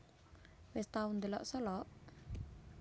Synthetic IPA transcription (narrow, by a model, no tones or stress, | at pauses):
west̪aund̪əlɔ̰ʔsɔlɔʔ